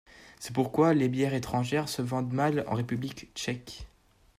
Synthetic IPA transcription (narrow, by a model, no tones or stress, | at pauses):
sɛpuʁkwalebjɛʁet̪χɑ̃ʒɛʁsəvɑ̃d̪malɑ̰̃ʁepyblikt͡ʃɛk